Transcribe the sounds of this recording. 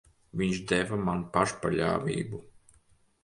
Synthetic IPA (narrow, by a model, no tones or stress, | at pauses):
vʲiɲʃd̪ɛvamanpaʃpaʎʲa̰ːvʲḭːbu